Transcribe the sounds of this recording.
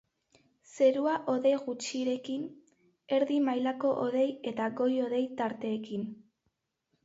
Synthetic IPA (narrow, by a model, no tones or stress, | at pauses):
se̞ɾuaʔo̞ðe̞ɣut͡ʃiɾe̞kin | e̞ɾðimajlako̞ʔoðe̞je̞t̪aɣo̞jo̞ðe̞jt̪aɾt̪e̞ːkin